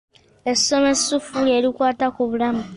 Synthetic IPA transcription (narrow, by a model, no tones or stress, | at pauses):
esomesufuleːlikwaːtakuβulamu